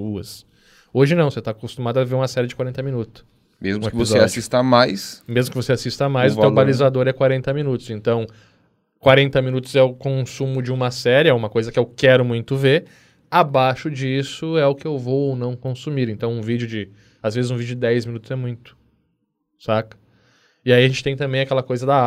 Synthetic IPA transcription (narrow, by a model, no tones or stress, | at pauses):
uɐs | oʒɪnɐ̃w̃set̪akost̪umad̪ʊaveɾũmɐsɛɾɪd͡ʒɪkwaɾẽnt̪ɐmĩnut̪ʊ̥s | mezmʊ̃eeɪviozsɔead͡ʒsist̪amajsmezmʊkɪvoseasist̪ɐmajzẽɐ̃balizad̪oɾɛkwaɾẽnt̪ɐminut̪ʊ̥sẽnt̪ɐ̃w̃ | kwaɾẽnt̪ɐmĩnut̪ʊzɛʊkõsũmʊd͡ʒɪũmɐsɛɾɪɛũmɐkojzɐkɪewkɛɾʊmũj̃t̪ʊveɾ | abaʃʊd͡ʒisʊɛʊkɪewvowonɐ̃w̃kõsumiɾẽnt̪ɐ̃w̃ũvid͡ʒjʊd͡ʒɪ | azvezɪzũvid͡ʒʊd͡ʒɪd̪ɛjzmĩnut̪ʊzɛmũj̃t̪ʊ̥ | sakɐ̥ | ɪaiaʒẽnt͡ʃɪ̥t̪ẽj̃t̪ɐ̃mbẽj̃akɛlɐkojzɐd̪a